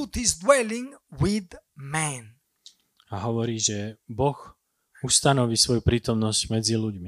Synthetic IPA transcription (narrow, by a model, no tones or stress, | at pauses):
ut̪izd̪wɛlĩŋwid̪mɛ̃n | aɦɔʋɔɾiːʒɛbɔx | ust̪anɔʋiːsʋɔjupɾiːt̪ɔmnɔscmɛd͡ziluɟmi